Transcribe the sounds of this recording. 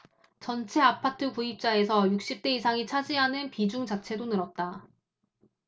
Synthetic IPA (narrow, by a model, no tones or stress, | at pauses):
t͡ɕʌnt͡ɕʰe̞apʰatʰɯkuip̚t͡ɕ͈ae̞sʰʌjuk̚ɕ͈ip̚t͈e̞isʰaŋit͡ɕʰad͡ʑiɦanɯnpid͡ʑuŋd͡ʑat͡ɕʰe̞donɯɾʌt̚t͈a